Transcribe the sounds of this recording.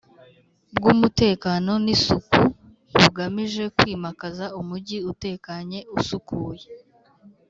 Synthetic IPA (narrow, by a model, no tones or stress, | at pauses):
bɡumute̞ːkano̞nisuku | βuɡamiʒe̞kwiːmakazaumuɟiute̞ːkaɲe̞usukuːje